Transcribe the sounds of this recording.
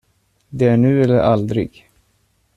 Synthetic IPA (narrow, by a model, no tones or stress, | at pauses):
d̪ɛæɳʉ̟ːɛlːəɾʔa̰ld̪ɾɪ̰ɡ